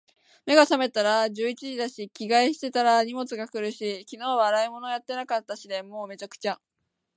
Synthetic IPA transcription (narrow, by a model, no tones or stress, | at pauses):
me̞ɡasame̞t̪aɾaʑɨːit͡ɕiʑid̪aɕikʲiɡaiɕi̥t̪e̞t̪aɾaɲ̟imo̞t͡sɨɡakɯ̟ɾɯ̟ɕikʲino̞ːβaɾaimo̞no̞jat̪ːe̞nakat̪ːaɕid̪e̞mo̞ːme̞t͡ɕakɯ̟̥t͡ɕa